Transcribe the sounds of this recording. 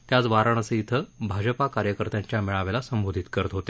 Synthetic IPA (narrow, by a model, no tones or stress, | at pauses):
t̪jat͡sʋaɾəɳ̃əseit̪ʰəbʱad͡ʑəpakaɾjəkəɾt̪jãɲt͡ɕjamiɭaʋelasəmbod̪ʱit̪kəɾət̪ɦot̪e